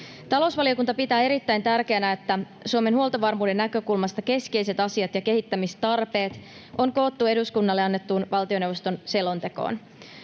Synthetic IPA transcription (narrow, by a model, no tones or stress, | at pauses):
t̪ɑlo̞usʋɑliokunt̪ɑpit̪æːeɾit̪ːæjnt̪ærk̟e̞ænæet̪ːæ | suome̞nhuo̞lˠt̪ɑʋɑrmuːde̞nːækø̞kulmɑst̪ɑke̞skejse̞t̪ɑsiɑt̪jɑke̞hit̪ːæmist̪ɑrpe̞ːt̪ | o̞ŋko̞ːt̪ːue̞duskunːɑlːe̞ɑnːet̪ːuːnʋɑlt̪io̞newʋo̞st̪o̞nse̞lont̪e̞ko̞̰ːn